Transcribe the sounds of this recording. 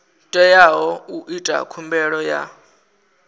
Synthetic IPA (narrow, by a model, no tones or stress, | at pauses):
tʼɛjaɦɔuʔitʼa̰kʰumbɛɺɔja̰